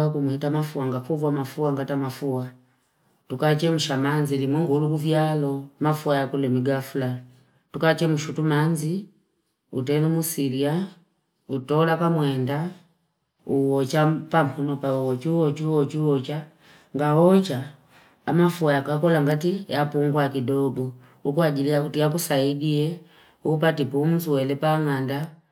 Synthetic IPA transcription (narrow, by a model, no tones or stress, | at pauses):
kumuitamafuwaŋɡapuvamafuaŋɡatamafuwa | tukat͡ʃɛmuʃamanzilimwɛŋɡulukuvjalɔmafuajakulɛmiɡafula | tukat͡ʃɛmuʃutumanzi | utɛlɛmusiɾia | utɔlapamwɛnda | uwɔt͡ʃapampunɔpauɔt͡ʃiuwɔt͡ʃuwɔt͡ʃuwɔt͡ʃa | ŋɡawɔt͡ʃaː | mafuajakakɔlaŋɡatijapuŋɡwakidɔbɔ | ukuaɟilijakutijakusaidiɛ | up̬atipum̩suwɛlɛpaŋanda